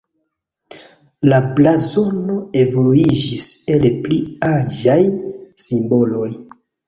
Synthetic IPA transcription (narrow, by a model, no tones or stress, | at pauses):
lablazo̞no̞e̞voluid͡ʒiselpliad͡ʒajsimbo̞lo̞j